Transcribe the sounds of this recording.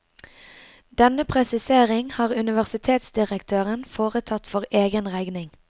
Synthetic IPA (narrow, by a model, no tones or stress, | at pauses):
d̪̥ɛnəpʰʁɛsɪseːʁɪŋhɑːʁʉnɪʋæʁsɪt̪ʰeːt̪sd̪ɪʁəkt̪ʰøːʁənfoːʁət̪ʰɑt̪fɔʁeːɡənʁæɪɡnɪŋ